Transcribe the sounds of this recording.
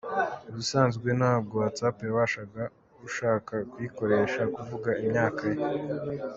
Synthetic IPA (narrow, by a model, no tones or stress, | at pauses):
βisaːnzɡwe̞naːb̚ɡo̞wat͡sapjaβaːʃaɡa | uʃaːkakwiko̞ɾe̞ːʃakuvuɡaimɲaːkaje